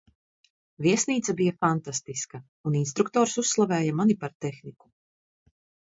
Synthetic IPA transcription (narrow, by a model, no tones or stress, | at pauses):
viɛsniːt̪sabijafant̪ast̪iskɐ | uninst̪ɾuk̚t̪ɔːɾsusːlˠavɛːjamanipaɾt̪exniku̥